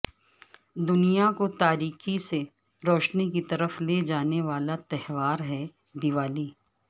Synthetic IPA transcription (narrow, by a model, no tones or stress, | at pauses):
d̪ʊnijakot̪aːɾiːxise | ɾɔːʃnikit̪ɐɾəfled͡ʒaːneʋaːlat̪ɛɦʋaːɾɦɛ | d̪ɪʋaːliː